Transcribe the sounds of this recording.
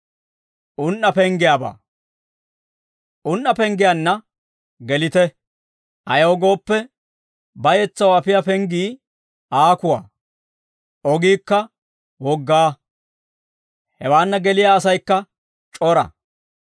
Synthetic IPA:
ʔʊnːɐpɛŋɡɪjaːba̰ː | ʔʊnːɐpɛŋɡɪjanːɐ | ɡɛlɪt̪ɛ | ʔɐjɐwɔɡo̞ːpːɛ | bɐjɛt͡sːɐwɐpɪjɐpɛŋɡiː | ʔaːkʊwa̰ː | ʔɔɡiːkːɐ | wɔɡːaː | hɛwaːnːɐɡɛlɪjaːsɐjkːɐ | t͡ʃʼɔɾɐ̰

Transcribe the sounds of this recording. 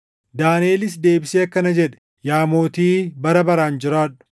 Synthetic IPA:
d̪aːneːlɪs̬d̪e̞ːbɪseːɐkːɐnɐd͡ʒɛᶑɛ̥ | jaːmo̞ːt̪iːbɐɾɐbɐɾaːnd͡ʒɪɾaːᶑʊ̥

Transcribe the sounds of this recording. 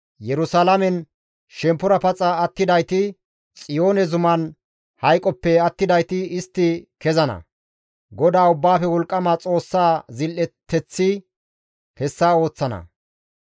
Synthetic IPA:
jɛɾʊsalɐmɛn | ʃɛmpːʊɾɐpɐt͡sʼɐɐt̪ːɪd̪ɐjt̪ɪ | t͡sʼɪjo̞ːnɛzʊmɐn | hɐjkʼɔpːɛɐt̪ːɪd̪ɐjt̪ɪɪst̪ːɪkɛzɐnɐ̰ | ɡɔd̪aːʊbːaːfɛwɔlkʼːɐmat͡sʼo̞ːsːaːzɪlʔɛt̪ʰːɛt͡sːɪ | hɛsːaːo̞ːt͡sːɐnɐ̰

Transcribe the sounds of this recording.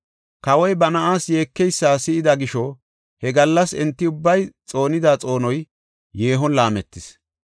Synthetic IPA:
kɐwɔjbɐnɐʔaːsjeːkːɛjsːaːsɪʔɪd̪ɐɡɪʃɔ | hɛɡɐlːɐsɛnt̪ːɪʊbːɐjt͡sʼo̞ːnɪd̪aːt͡sʼo̞ːnɔj | jeːɦɔnlaːmɛt̪ːɪs

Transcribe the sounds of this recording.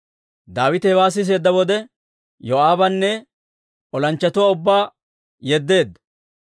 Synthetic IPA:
d̪aːwɪt̪ɛwaːs̬ɪs̬eːd̪ːɐwɔd̪ɛ | jɔaːbɐnːɛ | ʔɔlɐnt͡ʃːɐt̪ʊwaʊbːaː | jɛd̪ːe̞ːd̪ːɐ

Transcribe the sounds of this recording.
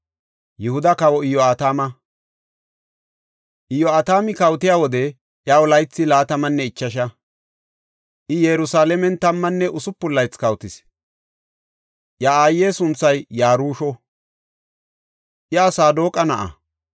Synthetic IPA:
jɛhʊd̪ɐkɐwɔɪjɔaːt̪aːmɐ | ʔɪjɔaːt̪aːmɪkɐwt̪ɪjaːwɔd̪ɛ | ʔjawʊlɐjt͡sːɪlaːt̪ɐmɐnːɛɪt͡ʃːɐʃɐ | ʔɪjɛɾʊsaːlɛmɛnt̪ɐmːɐnːɛʔʊsʊpːʊlːɐjt͡skɐwt̪ɪs | ʔjaaːjːeːsʊnt͡sːɐjːaːɾuːʃɔ | ʔjɛɐsaːd̪oːkʼːɐnɐʔɐ̰

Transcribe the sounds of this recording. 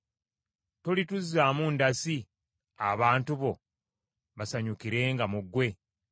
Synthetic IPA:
tolituzːaːmundasi | a̰βaːntuβo̞ | βasaɲukiɾe̞ːŋɡamuɡwe̞

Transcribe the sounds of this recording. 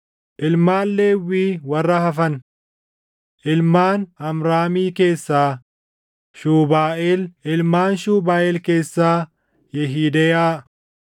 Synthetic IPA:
ʔɪlmaːlːeːwiːwɐrːɐhɐfɐn | ʔɪlmaːnɐmɾaːmiːke̞ːsːaː | ʃuːbaːʔeːlɪlmaːnʃuːbaːʔeːlke̞ːsːaː | jɛɦiːd̪ɛjaː

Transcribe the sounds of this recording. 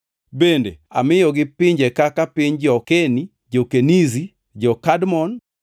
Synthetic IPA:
bendea̰mɪjɔɡɪpɪɲd͡ʒekakapɪɲd͡ʒɔkeni | d͡ʒɔkenizi | d͡ʒɔkadmɔn

